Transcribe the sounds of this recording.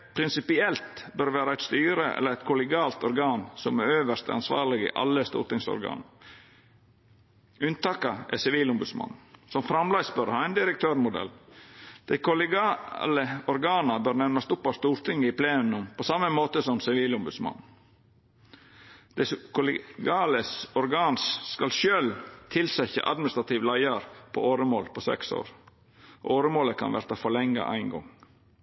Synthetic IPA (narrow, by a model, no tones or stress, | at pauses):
pʰɾɪnsɪpɪɛlt̪bœɾʋæːɾəæɪt̪st̪yːɾəʔɛ̰lːəɾæɪt̪kʰʊlɛɡɑːlt̪ɔɾɡɑːnsɔmæɾøːʋəʂt̪ɛ̰ɑnsʋɑ̰ːɾlɪɡɪ̰ʔɑ̰lːəst̪ṵːɾt̪ɪŋsɔ̰ɾɡɑ̰ːnɑ | ʉnt̪ɑːkɑʔɛ̰sɪʋiːlʊmbʉd̪smɑ̰nn̩sɔmfɾɑmlɑɪsbœɾhɑæɪnd̪ɪɾəkt̪ʰøːɾmʊd̪ɛ̰ld̪̥æɪkʰʊlɡɑːləɔɾɡɑːnɑbøːɾnɛɾnɑst̪ʊpːɑst̪uːɾt̪ʰɪŋːəɪpʰleːʉmnʊmpʰɔsɑmːəmoːt̪əsɔmsɪʋiːlʊmbʉd̪smɑ̰n | d̪̥ɛskʰʊlɡɑːləsɔɾɡɑːnsskɑlʃøːlt̪ʰɪlsɛçə̰ʔɑ̰d̪mɪnɪst̪ɾɑt̪ʰiːʋlæɪɑɾpʰɔ̰oːɾəmoːlpʰɔsɛ̰kso̰ːɾ | ʔoːɾəmoːləkʰɑ̰nʋæ̰ɾt̪ɑfɔɭɛŋːɑ̰ʔæ̰ɪnɡɔ̰ŋ